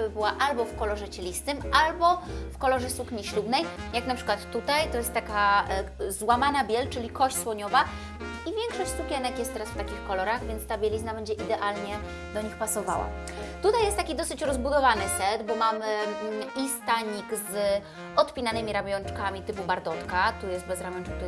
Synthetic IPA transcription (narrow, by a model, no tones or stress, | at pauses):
ɘbɘwaʔalbɔfkɔlɔʐɛt͡ɕɛlʲist̪ɘmʔalbɔfkɔlɔʐɛsukɲiɕlubnɛjjaknapʂɘ̥kwat̪ːut̪ajt̪ɔjɛst̪t̪ːaka | zwamanabʲjɛlt͡ʂɘlʲikɔɕt͡ɕswɔɲɔva | ivʲjɛŋkʂɔɕt͡ɕʲsukʲjɛnɛkjɛst̪ːɛɾasft̪akʲixkɔlɔɾaɣvʲjɛntst̪abʲjɛlʲiznabɛɲd͡ʑɛʔid̪ɛʔalɲɛ | d̪ɔɲixpasɔva̰wa̰ | t̪ut̪ajɛst̪t̪akʲid̪ɔsɘt͡ɕɾɔzbud̪ɔvanɘsɛd̪bɔmamɘist̪aɲikz | ʔɔt̪pʲinanɘmʲiɾamʲjɔnt͡ʂkamʲit̪ɘpubaɾd̪ɔt̪kat̪ujɛst̪̚bɛzɾamʲjɔnt͡ʂkɛkt̪